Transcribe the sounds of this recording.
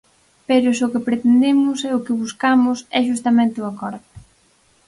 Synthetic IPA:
peɾʊsokɪpɾet̪end̪emʊsɛʊkɪβuskamʊsɛʃ̬ust̪ɐmẽnt̪ɪʊakɔɾðʊ

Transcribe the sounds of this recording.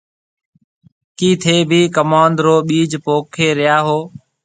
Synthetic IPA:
kiːt̪ʰeːbʱiːkəmaːnd̪ɾoːɓiːd͡ʒpoːkʰeːɾɪjaːɦoː

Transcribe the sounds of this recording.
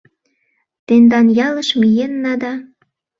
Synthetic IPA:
t̪end̪ɑnjɑləʃmijenːɑd̪ɑ

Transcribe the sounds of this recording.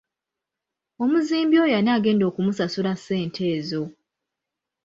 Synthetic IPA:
o̞muziːmbjo̞ːjanaːɡe̞ːndo̞ːkumusasulasːe̞ːntʰe̞ːzo̞

